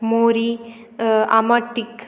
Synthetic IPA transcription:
moːɾi | ɐmɐʈːik

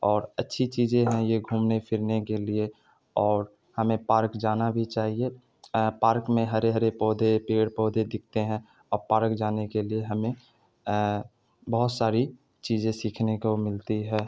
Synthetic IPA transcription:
ɔːɾətːʃʰit͡ʃiːzẽɦɛ̃jeɡʱuːmnepʰɪɾnekelie | ɔːɾ | hɐmẽpaːɾkd͡ʒaːnabʱit͡ʃaːɦie | paːɾkmẽɦɐɾeɦəɾepɔːd̪ʱepeːɽpɔːd̪ʱed̪ɪk̚ʰt̪eɦɛ̃ | ɔːɾpaːɾkd͡ʒaːnekelieɦɐmẽ | bəɦʊt̪saːɾi | t͡ʃiːzẽsiːkʰnekomɪlt̪iɦɛː

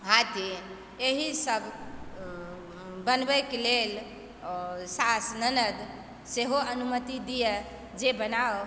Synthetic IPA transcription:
ɦat̪i | eɦisəbʱ | bənbɛkelel | sasnənəd̪ | seɦoənumət̪id̪ijɛ | d͡ʒebəna

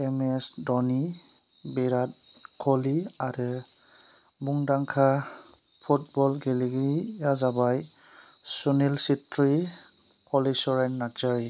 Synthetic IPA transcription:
ɛmɛsdɔni | biɾat̚kʰɔliaɾɯ | buŋdaŋkʰa | pʰut̚bɔlɡɛliɡijazabaj | sunilsitɹipʰɔlisɔɹɛnːad͡ʒaɹi

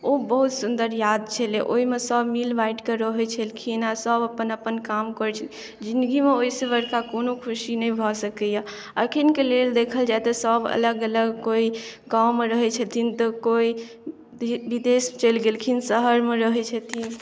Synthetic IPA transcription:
obəɦut̪sund̪əɾjad̪t͡ʃʰəleʔoimesəbmilbaiʈkeɾəɦɛt͡ʃʰəlkʰinasəbəpːənəpːənkamkɔɾt͡ʃʰə | d͡ʒĩnd̪ɡimeoisebəɾkakonokʰusinəibʱɔsəkəja | əkʰinkeleld̪ekʰəld͡ʒat̪esəbə̰ləɡələɡkoiɡawmeɾəɦɛt͡ʃʰət̪ʰint̪ɔkoi | bid̪est͡ʃəlɡelkʰinsəɦəɾmeɾəɦɛt͡ʃʰət̪ʰin

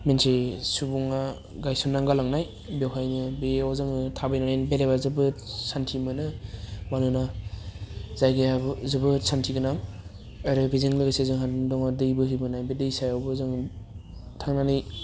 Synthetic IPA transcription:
mensesubuŋa | ɡajsunːaŋɡalaŋnaj | bewɦajnɯbeɔwzɯŋɯtʰabajnanajnbeɾeβazɯbɯsʰantʰimɯnɯmanuna | zajɡejabzɯbɯsʰantʰiɡɯnaŋ | aɾɯbezɯŋlɯɡesezɯŋɦandɔŋadɯjbɯɦɯjbɯnajbedɯjsajawbɯzɯŋ | tʰaŋnanɯj

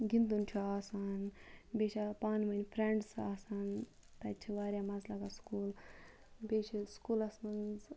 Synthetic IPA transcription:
ɡʲind̪unt͡ʃʰuaːsaːnbʲeːʃapaːnmɐnʲpʰɾeɳɖsaːsaːn | t̪ɐt͡ʃʰiʋaːɾʲjamɐzlakaskuːl | beːt͡ʃʰiskuːlɐsmɐnz

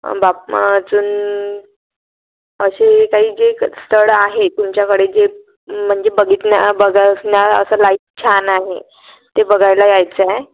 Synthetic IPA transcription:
bap̚d͡zuːn | əɕekaɦiːd͡zest̪ʰəɽaɦet̪umt͡ɕjakəɽed͡ze | m̤əɳd͡zebəɡʱiːt̪nabəɡasnjaə̰səlaiːft͡ɕʰanaɦe | t̪ebəɡʱajlajajt͡saj

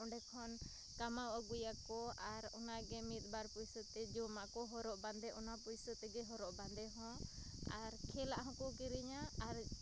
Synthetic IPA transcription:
ɔɳɖɛkʰɔn | kamawaɡujakɔʔaɾɔ̰naɡɛmit̪̚ˀbaɾpujsɔt̪ɛd͡ʒɔmaʔkɔɦɔɾɔʔband̪ɛʔɔnapujsɔt̪ɛɡɛɦɔɾɔʔband̪ɛɦɔ̃aɾkʰɛlaʔɦɔ̃kɔkiɾiɲaːɾ

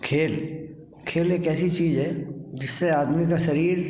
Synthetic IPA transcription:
kʰeːl | kʰeːlekɛːsit͡ʃiːzɦɛd͡ʒɪsːeaːd̪mikaʃɐɾiːɾ

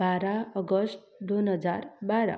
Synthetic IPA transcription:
aɾaʌɡʌsʈ̚ | d̪onɦʌd͡zarbaɾʌ̰

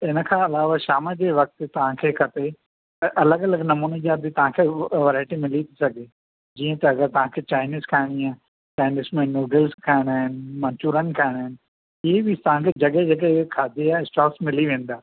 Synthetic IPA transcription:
ɪnəkʰãːɐlaːʋaʃaːməd͡ʑeːʋɐk̚t̪t̪ɐʋ̤ãkʰekʰɐt̪e | ʔɐləɡɐləɡnɐmuːnid͡ʑaːd̪it̪ɐʋ̤ãkʰeʋɐɾaːɪʈimɪlit̪ʰi̥sɐɡʱe | d͡ʑiːə̃t̪ɐɐɡəɾt̪ɐʋ̤ãkʰet͡ɕaːɪniːzkʰaːɦɪɽ̃iaː | t͡ɕaːɪnismẽnoːɖəlzkʰaːɦɪɽ̃aːɦɪnɪmɐ̃nt͡ɕuːɾənɪ̆kʰaːɪɽ̃aɦɪnɪ̆ | ɪɦebɪt̪ɐʋ̤ãkʰed͡ʑɐɠəd͡ʑɐɠəkʰaːd̪eaːɪsʈɔːksmɪliʋẽːn̆d̪aː

